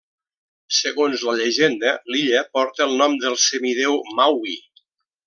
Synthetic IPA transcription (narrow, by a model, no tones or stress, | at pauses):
səɣonzləʎəʒend̪əliʎəpɔɾt̪əːlˠnɔmd̪əlˠsəmiðewmawi